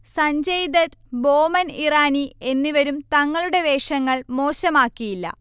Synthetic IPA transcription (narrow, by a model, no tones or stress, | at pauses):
sɐɲd͡ʑɐjd̪ɐt̪bo̞ːmɐniraːnie̞nːiʋɐɾumt̪ɐŋːɐɭuɽe̞ʋe̞ːʂɐŋːɐɭmo̞ːɕɐmaːkːijilːɐ̰